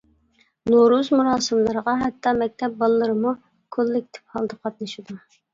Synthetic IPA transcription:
noɾuzmuɾɑːsɨmlˠɨɾəʁɑɦɛt̪ʰːɑmɛk̚ʲt̪ʰɛp̚bɑlˠːɨɾɨmu | kʰolːɪk̚ʲt̪ʰɪ̥p̚hɑlˠd̪ɨqʰɑt̪nɨʃid̪u

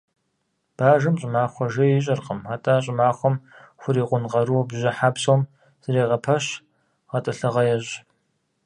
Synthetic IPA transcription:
b̥aːʒɨmɕʼɪmaːχʷɔʒɐjɪɕ̬ʼɐrqʼəmaːtʼaːɕ̬ʼɪmaːχʷɔmxʷʊɾiːqʷʊnqɐɾuwbʒɐħaːbsowm | z̥ɨɾeːʁɐpʰɐɕ | ʁɐtʼɐɬɐʁɐjɛɕ

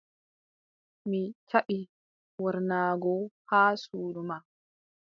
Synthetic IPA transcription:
mit͡ʃʰaʔi | wɔɾnaːɡɔhaːsuːɗuma

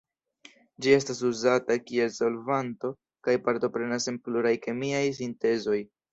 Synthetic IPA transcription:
d͡ʒie̞s̬tas̬uzatakie̞lso̞lvanto̞ | kajpaɾto̞pɾe̞nase̞npluɾajke̞miajs̬inte̞zo̞j

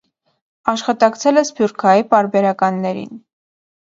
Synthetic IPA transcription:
ɑʃχɑt̪ɑkt͡sʰɛlɛsbjuɾkʰɑjipɑɾbɛɾɑkɑnːɛɾḭn

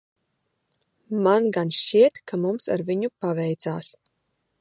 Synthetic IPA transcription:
manɡanʃt͡ʃiɛt̪kamumsa̰ɾviɲupavɛjt̪saːs

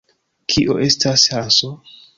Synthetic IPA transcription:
kʰiʔo̰ʔe̞stashaso

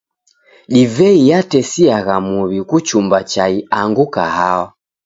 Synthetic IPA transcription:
ɗivɛijatɛsiaɣamuβikut͡ʃumbat͡ʃaiaŋɡukahawa

